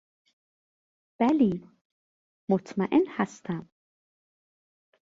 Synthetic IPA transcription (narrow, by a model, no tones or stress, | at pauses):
b̥ɛli | mʊt̪maʔɪnħast̪am